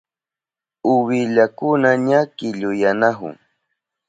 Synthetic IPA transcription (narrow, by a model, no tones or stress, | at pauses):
ʊwɪʎakʊnaɲakɪʎʊjanaɦʊ̰ŋ